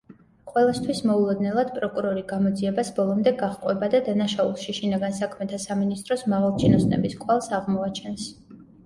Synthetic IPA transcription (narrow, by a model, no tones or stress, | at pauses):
qʼwɛlˠast̪ʰwismɔulˠɔd̪nɛlˠad̪̥pʼɾɔkʼuɾɔɾiɡamɔd̪ziɛbasbɔlˠɔmd̪ɛɡaʁqʼwɛbad̪ad̪anaʃaulˠʃiʃinaɡansakʰmɛt̪ʰasaminist̪ʼɾɔsmaʁalˠt͡ʃʰinɔsnɛ̰biskʼwalˠsaʁmɔat͡ʃʰɛns